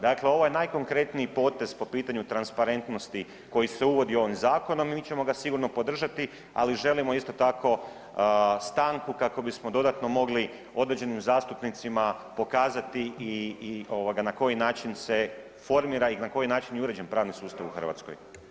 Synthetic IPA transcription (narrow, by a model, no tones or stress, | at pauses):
d̪akle̞o̞ʋojenajko̞ŋkɾe̞t̪niipo̞ːt̪e̞zpo̞piːt̪aɲut̪ɾanspaɾe̞nt̪no̞st̪i | ko̞jise̞uʋo̞d̪io̞ʋimzaːko̞no̞mit͡ɕe̞mo̞ɡasiɡuɾno̞po̞d̪r̩ʒat̪i | a̰liʒe̞limo̞ist̪o̞t̪ako̞ | st̪aːŋkukako̞bismo̞d̪o̞d̪at̪no̞mo̞ɡli | o̞d̪ɾe̞d͡ʑe̞nimzaːst̪upnit̪simapo̞kaːzat̪iio̞ʋaɡanako̞jinaːt͡ʃinse̞ | fo̞ɾmiːɾainako̞jinaːt͡ʃinjuɾe̞d͡ʑe̞npɾaːʋnisuːst̪aʋuxr̩ʋa̰t̪skoj